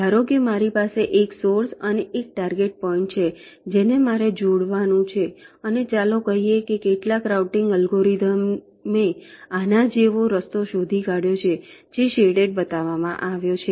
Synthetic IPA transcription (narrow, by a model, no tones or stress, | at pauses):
aɾoɡjəmaɾipaseʔeksoɾsəneʔek̚ʈaɾɡeʈ̚pɔĩɳʈ̚t͡ʃʰe | d͡ʒenemaɾed͡ʒoɽʋanũt͡ʃʰeənet͡ʃalokəɦijekekeʈlakɾauʈɪŋɡəlɡoɾid̪əmː | eanad͡ʒeʋoɾəst̪oʃod̪ʱikaɽjot͡ʃʰed͡ʒeʃeɽeʈ̚bət̪aʋamã̰ʔaʋjot͡ʃʰe